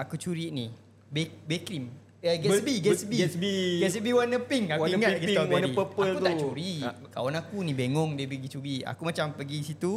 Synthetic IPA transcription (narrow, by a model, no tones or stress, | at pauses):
akut͡ʃuɾiʔni | bebɛkɾim | əɡɛsbiɡɛsbiiɡɛsbiwanəpiŋauiŋat̪̚ɡɛsɔɾipəpaəklut̪aʔt͡ʃuɾiʔ | ka̰wanakunĩbeŋɔŋdiəpəɡit͡ʃuɾiʔa̰kumãt͡ʃampəɡisit̪u